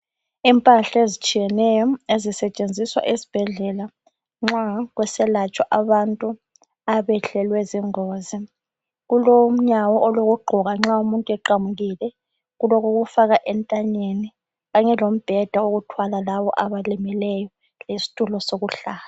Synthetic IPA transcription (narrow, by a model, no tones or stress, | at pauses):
impʼaɬaezit͡ʃʼijɛnɛjɔezisɛt͡ʃʼend͡zʱiswa̰ʔesi̥b̥ʱɛɮɛla | ŋ͡ǁaɣwɛsɛlat͡ʃʼwaʔaβantʼu | aβɛɬɛlwɛziŋoːzi | ɣulom̩ɲawɔʔɔloɣuɡ͡ǃʱɔɣaŋ͡ǁaumuntʼuɛǃamuɣilɛ | ɣulɔkoɣufaɣaʔɛntʼaɲeni | ɣaɲɛlom̩b̥ʱɛd̥ʱaoɣutʰwalalaβɔ̰ʔaβalimilɛjɔ | lisi̥tʼulɔsoɣuɬaːla